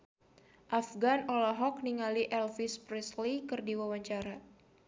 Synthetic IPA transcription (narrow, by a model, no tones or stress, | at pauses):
ʔafɡanolaɦɔk̚niŋaliʔɛlfispɾɛslikɨrdiwawaɲt͡ʃaɾa